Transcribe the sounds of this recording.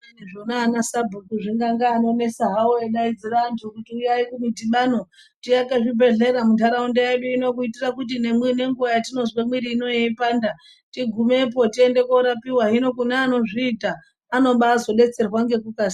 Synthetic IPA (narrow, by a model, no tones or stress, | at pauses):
neʐonaːnasabʱotuʐiŋɡaŋɡaːno̞ne̞saɦaoeɗaid͡zirantʰukutiujairumitiɓano̞ | tiakaʐibʱe̞ɮe̞ɾamuntʰaɾaundejaɓeino̞k̬uitirakut̬inemine̞ŋɡuajatino̞zwamwiɾiːno̞jeipaːnda | tiɡʱume̞p̬o̞tie̞nde̞koɾapiɦwaɦino̞kunaːno̞ʐiːtaː | no̞ɓaːzo̞ɗe̞t͡se̞rwaŋɡe̞kukasi